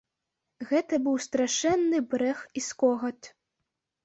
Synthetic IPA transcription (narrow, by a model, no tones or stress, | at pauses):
ɣɛt̪ɐbɨwst̪ɾaʂɛnːɨbɾɛxiskɔɣɐt̪ʲ